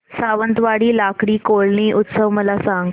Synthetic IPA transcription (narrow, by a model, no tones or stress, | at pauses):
saʋənt̪ʋaɽiːlakɽiːkoɭɳiːʔut̪səʋməlasãŋɡ